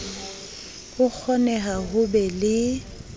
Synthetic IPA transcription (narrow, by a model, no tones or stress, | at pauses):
hʊk͡xʰɔnɛɦaɦʊbɛlɪ